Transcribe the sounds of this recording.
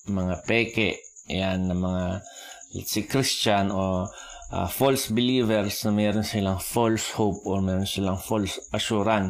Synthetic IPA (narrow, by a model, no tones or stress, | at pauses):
mɐŋapɛːkɛʔ | janːɐŋmɐŋa | sɪkɾist͡ʃano | a̰folsbɪliːvɛɾsnɐmɛːɾonsɪlaŋfolshowp̚omɛːɾonsɪlaŋfolsʔɐʃuːɾan